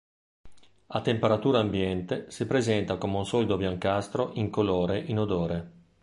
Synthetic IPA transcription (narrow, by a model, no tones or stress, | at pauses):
at̪ːempeɾat̪uːɾaːmbjɛnt̪esipɾezɛnt̪akomeunsɔːlid̪objaŋkast̪ɾoʔiŋkoloːɾeʔinod̪oːɾe